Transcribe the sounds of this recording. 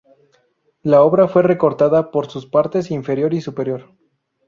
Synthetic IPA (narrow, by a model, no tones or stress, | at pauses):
lao̞βɾafwe̞re̞ko̞ɾt̪aðapo̞ɾsuspaɾt̪e̞siɱfe̞ɾjo̞ɾisupe̞ɾjo̞ɾ